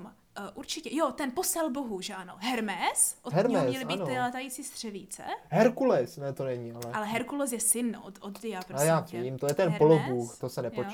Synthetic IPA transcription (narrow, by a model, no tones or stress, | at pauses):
m | ʔuɾt͡ʃɪcɛjot̪ɛnposɛlboɦuʒɛʔanoɦɛɾmɛsʔoɦɛɾmɛmsɲɛlɪiːnɪlɛt̪ajiːt͡siːst̪r̝̥ɛviːt͡sɛ̰ɦɛɾkulɛsnɛt̪onɛɲialɛalɛɦɛɾkulɛs̬jɛsɪnnʔot̪od̪dɪjapɾojjaːviːmt̪ojɛt̪ɛnpolobuːxt̪osɛnɛpot͡ʃ